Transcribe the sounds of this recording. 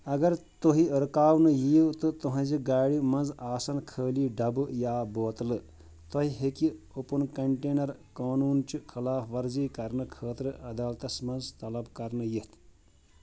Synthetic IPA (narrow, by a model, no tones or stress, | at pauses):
ɐɡɐɾt̪oɦiɾɨkaːʋnɨjiːwt̪ɨt̪uɦɐ̃d͡ʒiɡaːɽimɐ̃nzaːsɐnkʰəːliːɖɐbɨjaːboːt̪lɨ | t̪ʰɐɦiɦeki | opunkɐɳʈeːnɐɾkaːnuːnt͡ʃukʰɐlaːfʋɐɾziːkɐɾnɨkʰəːt̪ɾɨɐd̪aːlt̪ɐsmɐnzt̪ɐlɐbkɐɾnɨjit̪ʰ